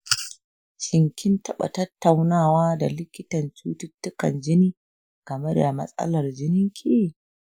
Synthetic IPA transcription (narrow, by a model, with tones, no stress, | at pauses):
t͡ʃʼɪ˨ŋkʲʰɪ˦ntɐ˦ɓa̰˨tɐ˦tːa˨wnaː˦˨waː˦da˨lɪ˦kʲɪ˦tɐ˨nt͡ʃuː˦tɪ˦tːʊ˦kɐ̰˨nd͡ʒɪ˦niː˦ | kɐ˨mɛ˦rja˨mɐ̰˦sʼɐ̰˦lɐ˨rd͡ʒɪ˦nɪ˦ŋkʲʰiː˦